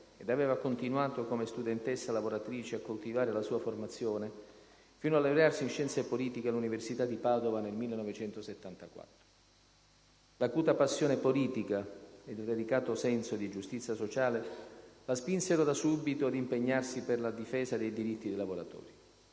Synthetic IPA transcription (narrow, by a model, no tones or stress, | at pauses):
ed̪avɛːvakont̪inwaːt̪okomest̪ud̪ɛnt̪esːalavoɾat̪ɾiːt͡ʃeakːolt̪ivaːɾelasuːaformat̪sːjoːne | fiːnoalːevɾarsiinʃɛnt̪sepoliːt̪ikealːuniversit̪ad̪ːipaːd̪ovanelmilːenɔvet͡ʃɛnt̪oset̪ːant̪akwa̰t̪ːɾo | lakuːt̪apasːjoːnepoliːt̪ikaed̪d̪elikaːt̪osɛnsod̪id͡ʒust̪it̪sjasot͡ʃaːlelaspinseɾod̪asubit̪oad̪impeɲːarsiperlad̪ifɛːzad̪ejd̪iɾit̪ːid̪ejlavoɾa̰t̪ɔ̰ːɾi